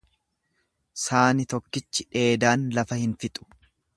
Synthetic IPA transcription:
saːnɪt̪ɔkːɪt͡ʃːɪᶑe̞ːd̪aːnlɐfɐhɪnfɪt̪ʼʊ̥

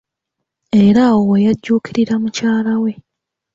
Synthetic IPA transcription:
e̞ɾaowejaɟːuːkʰiɾiɾamucaːlawe̞

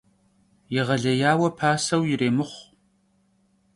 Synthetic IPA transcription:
jɪʁɐɮɐjaːwɐpʰaːsɐwjɪɾeːmɨχʷ

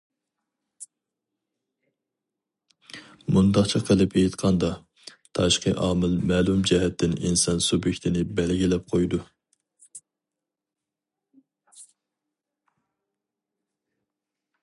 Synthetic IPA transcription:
mund̪ɑqt͡ʃʰiqʰəlˠɨpejt̪qʰɑnd̪ɑ | t̪ʰɑʃqəʔɑːmɪlmɛːlˠumd͡ʒɛɦɛt̪ʰːɪninsɑnsubjɪkʲt̪ʰɪnɪbɛlɡʲilɛp̚qʰojd̪u

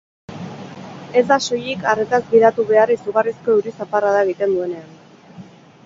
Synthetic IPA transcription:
e̞zd̪aso̞jikaret̪azɡiɾat̪uβe̞arisuɣarisko̞uɾisaparaðaeɣ̞it̪e̞nd̪ue̞ne̞an

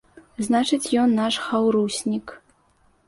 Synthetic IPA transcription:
znat͡ʂɨt͡sʲjɔnːaʂxawɾusʲnʲik

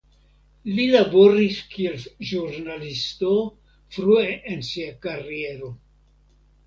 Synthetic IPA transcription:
lilabo̞ɾiskie̞lʒuɾnalisto | fɾueʔensiakaɾie̞ɾo̞

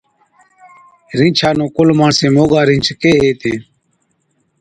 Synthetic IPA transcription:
ɾĩːt͡ʃʰaːnõːkʊlmaːɳsẽːmoːɡaːɾĩːt͡ʃʰkeːɦeːt̪ẽː

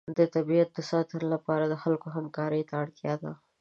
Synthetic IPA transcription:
d̪ət̪abiat̪̚d̪əsɑt̪ənolapɑɾad̪əxalkoɦamkɑɾəjt̪aːɽt̪jɑd̪a

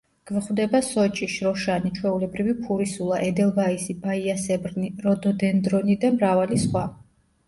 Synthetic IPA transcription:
ɡ̥vχwd̪ɛbasɔt͡ʃʼiʃɾɔʃanit͡ʃʰwɛulɛbɾivipʰuɾisulˠaʔɛd̪ɛlˠvaisibaiasɛbɾniɾɔd̪ɔd̪ɛnd̪ɾɔnid̪amɾavalisχwa

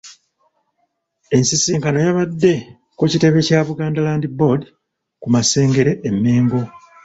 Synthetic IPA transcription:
e̞nsisiːŋkano̞jaβadːe̞ | kucite̞βe̞caːβuɡaːndalaːndibo̞di | kumase̞ːŋɡe̞ɾe̞ʔːmːe̞ːŋɡo̞

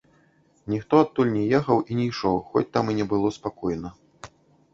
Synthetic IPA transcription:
nʲixt̪ɔat̪ːulʲnʲɛjɛxɐwʔinʲɛjʂɔwxɔ̰t͡sʲt̪aminʲɛbɨlˠɔspakɔjnɐ

